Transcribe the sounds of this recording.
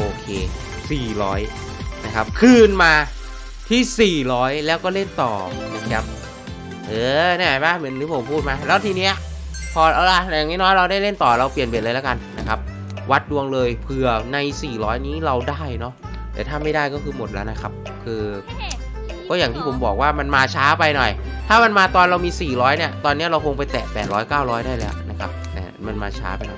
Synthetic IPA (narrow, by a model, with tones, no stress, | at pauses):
ʔoː˧kʰeː˧ | siː˨˩ɾɔː˦˥j | na˦˥kʰa˦˥p̚kʰɯː˧˩nmaː˧ | t̪ʰiː˥˩siː˨˩ɾɔː˦˥jlɛː˦˥wkɔː˥˩le˥˩nt̪ɔː˨˩na˦˥kʰa˦˥p̚ | ʔɤː˧nɛː˥˩ba˧˥˩mɯ˨˦ə˦nɾɯː˨˦˥pʰo˨˦mpʰuː˥˩t̪̚maː˧lɛː˦˥wt̪ʰiː˧ni˦˥ɐ | pʰɔː˧ɾʔa˧˩la˧jaː˨˩ŋniː˦˥nɔː˦˥jɾa˧wdaː˥˩jle˥˩nt̪ɔː˨˩ɾa˧wpli˨˩ənpi˨˩nlɤː˧la˦˥ka˧nːa˦˥kʰa˦˥p̚ | wa˦˥t̪̚du˧əŋlɤː˧jpʰɯ˨˩ɐna˧jsiː˨˩ɾɔː˦˥jniː˦˥˩ɾa˧wdaː˥˩jnɔ˦˥ʔ | t̪ɛː˨˩t̪ʰaː˥˩ma˥˩jdaː˥˩jkɔː˥˩kʰɯː˧mo˨˩t̪̚lɛ̰˦˥wna˦˥kʰa˦˥p̚ | kʰɯː˧ | kɔː˥˩jaː˨˩ŋt̪ʰiː˥˩pʰo˩˦mbɔː˨˩k̚waː˥˩ma˧nmaː˧t͡ɕʰaː˦˥pa˧jnɔ˨˩jt̪ʰaː˥˩ma˧nmaː˧t̪ɔː˧nɾa˧wmiː˧siː˨˩ɾɔː˦˥jni˥˩ɐt̪ɔː˧nːi˦˥ɐ˩ɾa˧wkʰo˧ŋpa˧jt̪ɛ̰ː˨˩pɛ̰ː˨˩t̪̚ɾɔː˦˥jkaː˥˩wɾɔː˦˥jdaː˥˩jlɛː˦˥wna˦˥kʰa˦˥p̚ʔɛ̰ː˧˩ma˧nmaː˧t͡ɕʰa̰ː˦˥pa˧jnɔ̰˨˩